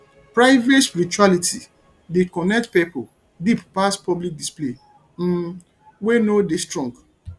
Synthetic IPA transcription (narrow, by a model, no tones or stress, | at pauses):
pɹaɪvetspiɾit͡ʃualitʰi | dekɔnɛk̚tpipo | dippaspʰɔblik̚disple | m̩ | wenodestɹɔ̃ŋɡ